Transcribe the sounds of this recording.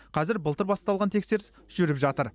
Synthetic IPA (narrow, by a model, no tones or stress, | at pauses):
qʰɑzɪɾbəlˠt̪əɾbɑst̪ɑlˠʁɑnt̪ʰe̞kse̞ɾɪs | ʒʏɾɪpʒɑt̪əɾ